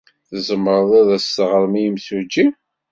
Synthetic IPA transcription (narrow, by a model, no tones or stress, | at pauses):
θəzəmːɾˤðˤiðæstʁəɾˤmijəmsud͡ʒːi